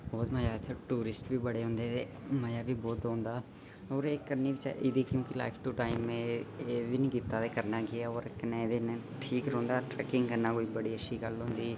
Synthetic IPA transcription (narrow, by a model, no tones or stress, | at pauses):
boːt̪məjaːt̪ʰeʈuːɾɪsʈbʱiːbəɽeɦʊ̃nd̪et̪e | məjaːbʱiːbɔːt̪õːnd̪aː | ɔːɾeːkkːəɾniːbit͡ʃa̰ʔɪd̪iːkjõːkila̰ːɪpʰʈuʈaːɪmːẽːeːbinĩːɡɪt̪ːat̪ekəɾnaːɡɪjaoːɾɪkned̪ene | ʈʰiːkɾõːnd̪aːʈɾɛːkɪ̃ŋɡkəɾnaːkoːibəɽiːətʃʰiːɡəlɦʊ̃ːnd̪iː